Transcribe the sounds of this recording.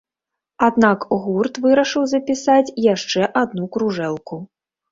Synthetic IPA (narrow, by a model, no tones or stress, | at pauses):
ad̪nakɣurt̪vɨɾɐʂɨwzɐpʲisat͡sʲjaʂt͡ʂɛʔad̪̚nukɾuʐɛlˠku